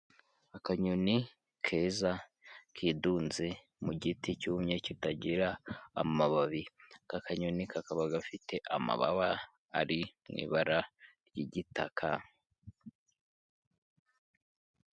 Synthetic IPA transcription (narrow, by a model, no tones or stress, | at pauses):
akaɲuni | kʰeːzakʰiːdunze | muɟiticuːmɲecitaɟiɾa̰ːmaβaβikakaɲunikʰakaβaɡafitʰe̞ʔama̰βa̰βa̰ː | ɾimŋḭːβaɾaɾjiɟitʰakʰa